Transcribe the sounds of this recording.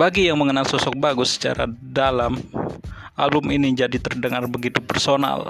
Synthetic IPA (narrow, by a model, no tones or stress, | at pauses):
baɡijaŋməŋənalsɔsɔk̚baɡʊsːə̥t͡ʃa̰ɾa̰dalam | ʔa̰lbʊminid͡ʒadit̪ərdəŋarbəɡit̪upərsona̰l